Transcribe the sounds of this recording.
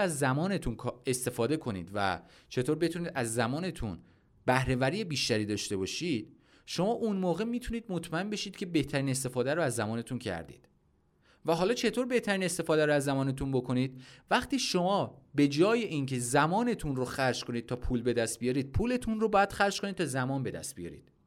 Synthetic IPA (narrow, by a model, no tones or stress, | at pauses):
æzːæmɒːne̞t̪ʰunkʰe̞st̪e̞fɒːd̪e̞kʰo̞nḭːd̪væ̰ | t͡ʃʰe̞t̪ʰoɾbe̞t̪ʰuniːd̪æzːæmɒːne̞t̪ʰṵn | b̥æhɾe̞væɾiːje̞biːʃæɾiːd̪ɒːʃt̪e̞bɒːʃid̪̥̚ | ʃo̞mɒːʔunmoːɣe̞miːt̪ʰuniːd̪̚mo̞t̪ʰmæe̞mbe̞ʃiːd̪̥cʰe̞be̞ht̪ʰæɾiːne̞st̪e̞fɒːd̪æɾoæzːæmɒːne̞t̪ʰuncʰæ̰ɾd̪ḭːd̪̥ | væɦɒːlɒːt͡ʃʰe̞t̪ʰoːɾbe̞ht̪ʰæɾiːne̞st̪e̞fɒːd̪æɾoæzːæmɒːne̞t̪unbo̞kʰo̞niːd̪̥̚væχt̪iːʃomɒːbe̞d͡ʒɒːje̞ʔiːncʰe̞zæmɒːne̞t̪ʰunroxæɾd͡ʒko̞nid̪̚t̪ʰɒːpʰuːlbe̞d̪æst̪̚bijɒːɾiːd̪̚pʰuːle̞t̪ʰunrobɒːjæd̪̥xæɾd͡ʒkʰonid̪̚t̪ʰːzæmɒːnbe̞d̪æ̰st̪̚bijɒ̰ːɾḭːd̪̥